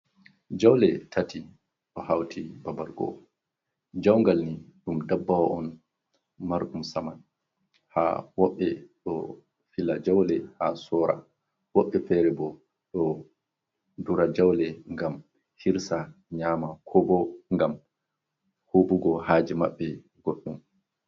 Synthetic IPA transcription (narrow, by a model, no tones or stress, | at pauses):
d͡ʒawlɛtʰati | ɗɔhawtʰibabaɾɡɔ̰ | d͡ʒawŋɡalniɗumdabːawaɔn | maɾɗumsaman | ha̰wɔɓːɛɗɔ̰ | filad͡ʒawlɛhasɔːɾa̰ | wɔɓːɛfɛɾɛbɔ | ɗɔ | duɾad͡ʒawlɛŋɡam | hiɾsaɲaːmakʰɔbɔŋɡam | hobuɡɔhaːd͡ʒimaɓːɛ | ɡ̥oɗːum